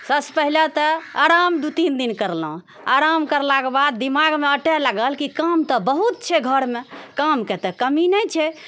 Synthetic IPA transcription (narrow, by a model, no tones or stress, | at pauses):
səspəɦilet̪əaɾamd̪ut̪ind̪inkəɾlũ | aɾamkəɾlakebad̪̚ːimaɡmeəʈɛlaɡəlkikamt̪ɔbəɦut̪̚t͡ʃʰɛɡʱəɾmekamket̪ɛkəminɛt͡ʃʰɛ